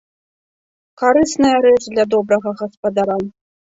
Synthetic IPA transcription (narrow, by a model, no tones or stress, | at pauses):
kaɾɨsnɐjɐɾɛt͡ʂd̪lʲad̪ɔbɾɐɣɐɣɐspɐd̪aɾa